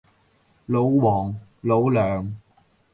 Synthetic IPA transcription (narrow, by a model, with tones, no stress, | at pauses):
lo˨˧˥wwɔː˨˩ŋlo˨˥wlœː˨˩ŋ